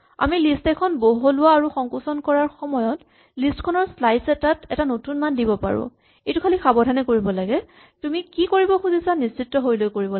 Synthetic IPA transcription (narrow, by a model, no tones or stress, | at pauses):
a̰milistɛkʰɔnboɦolʊwaːɹuxɔŋkusɔnkɔɹaɹxɔmɔjɔt | listkʰɔnɔɹslajsɛtatɛtanotunmandibɔpa̰ɹʊ̰ | ejtukʰalixabɔdʱanɛkoɹibɔlaɡɛ | tumikikoɹibɔxuzisanisitːɔɦojlojkoɹibɔ